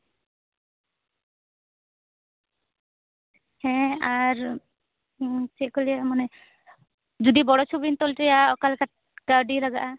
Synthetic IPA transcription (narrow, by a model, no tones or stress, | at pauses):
hɛ̃aɾ | t͡ʃɛkɔliamanɛ | d͡ʒud̪ibɔɽɔt͡ʃʰubint̪ɔlʈɛjaɔkalka | ɡ̥aɾɖilaɡaʔa